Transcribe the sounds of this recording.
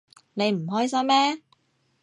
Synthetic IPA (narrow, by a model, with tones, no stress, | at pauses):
ne˨˧jm̩˨˩ɦɔː˥js̬ɐ˥mːɛː˥